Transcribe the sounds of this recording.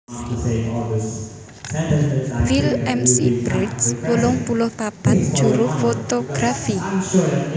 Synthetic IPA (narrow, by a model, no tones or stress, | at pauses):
seɔ | ɛfilɛmsibɾidswolʊŋpulʊhpapand̥d͡ʒ̥uɾʊfot̪oɡ̥ɾafi